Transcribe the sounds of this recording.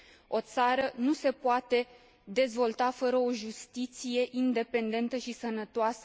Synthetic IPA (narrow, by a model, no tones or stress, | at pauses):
o̞t̪saɾənuse̞poat̪e̞ | d̪e̞zvo̞lt̪afəɾəo̞ʒust̪it̪sije̞ʔind̪e̞pe̞nd̪e̞nt̪əʃisənət̪oasə̥